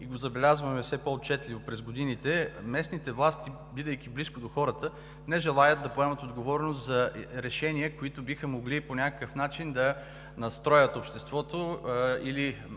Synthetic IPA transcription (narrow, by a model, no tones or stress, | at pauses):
iɡozɐbɛlʲazvɐmɛfsɛpoot̪̚t͡ʃɛt̪lʲivopɾɛzɡod̪init̪ɛmɛsnit̪ɛvlˠast̪i | bid̪əjk̟ʲibliskod̪oxɔɾət̪ə | nɛʒɛlˠajət̪̚d̪ɐpoɛmət̪od̪ɡovɔɾnost̪zɐɾɛʃɛniəkoit̪ʊbixəmoɡliponʲakəkəfnat͡ʃind̪ɐ | nɐst̪ɾɔjət̪opʃt̪ɛst̪vɔt̪oili